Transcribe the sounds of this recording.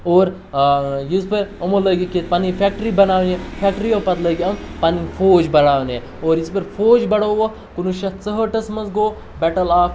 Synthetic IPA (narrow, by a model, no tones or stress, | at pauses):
oːɾ | jispɐɾɐmolɐɡiket̪panifʰek̚ʈɾibɐnaːʋnjefʰɛkʈɾijopɐt̪lɐɡiɐmpanifʰoːd͡ʒbɐɽaːʋne | oːɾispɐɾfʰoːd͡ʒbɐɽoːʋɐ | kunuʃɐt̪t͡səɦəʈɐsmɐzɡoː | bɛʈɐlaːk